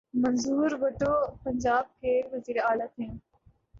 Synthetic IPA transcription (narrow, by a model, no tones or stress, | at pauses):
mɐnzuːɾʋɐʈoːpəɲd͡ʒaːb̚kʰeːʋəziːɾeaːlaːt̪ʰẽː